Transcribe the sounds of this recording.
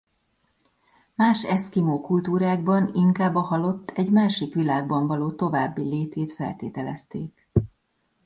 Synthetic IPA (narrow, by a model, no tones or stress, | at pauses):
maːʃɛskimoːkult̪uːɾaːɡ̚bɒniŋkaːbːɒhɒlo̞t̪ːɛɟmaːʃikʋilaːɡ̚bɒɱvɒloːt̪o̞vaːbːileːt̪eːt̪fɛ̰lt̪eːt̪ɛlɛ̰st̪eːk